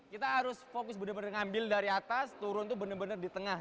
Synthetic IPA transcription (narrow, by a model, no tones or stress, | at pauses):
kit̪aɦaɾʊsfokʊsbənərbənərŋambɪldaɾiat̪ast̪uɾʊnt̪ubənərbənərdit̪əŋa